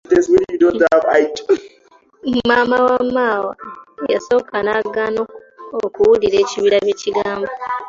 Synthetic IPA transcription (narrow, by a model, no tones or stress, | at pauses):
teswiɾidodabajt | mamawamːawa̰ja̰sokanaɡanokuokuwuiɾet͡ʃiβiɾaβet͡ʃiɡaːmbo